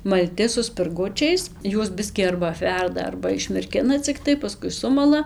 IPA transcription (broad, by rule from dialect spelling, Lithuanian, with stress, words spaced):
mɐlʲˈtʲɪ sʊ sʲpʲɪrˈɡʊt͡ʃʲɛɪs ˈjuɔs ˈbʲɪsʲkʲiː ɐrbɐ ɐpʲˈʋʲɛrdɐ ɐrbɐ ɪʃʲmʲɪrʲˈkʲɪnɐ t͡sʲɪkˈtɐɪ pɐˈskʊɪ ˈsʊmɐlˠɐ